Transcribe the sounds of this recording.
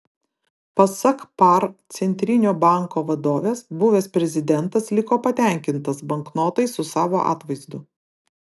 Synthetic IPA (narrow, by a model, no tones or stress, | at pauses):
pɐsɐkpɐɾt̪sʲɛnʲt̪ʲɾʲɪnʲoːbɑˑŋkoːʋɐd̪oːʋʲeːsbʊʋʲeːspʲɾʲɛzʲɪd̪ʲɛnt̪ɐslʲɪkoːpɐt̪ʲæˑŋʲkʲɪnt̪ɐsbɐŋknoːt̪ɐɪsʊsɑːʋoːʔɑ̰ːt̪ʋɐɪzd̪ʊ